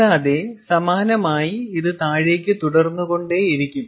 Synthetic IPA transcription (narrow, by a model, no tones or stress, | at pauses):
aːðe̞sɐmaːnɐmaːjiiðɨt̪aːɻe̞ːk̬ʲːɨt̪uɽɐrnːuɣo̞ɳɖe̞iɾikʲːum